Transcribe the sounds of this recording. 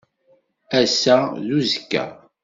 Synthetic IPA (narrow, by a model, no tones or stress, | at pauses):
æsæðuzəkːæ̰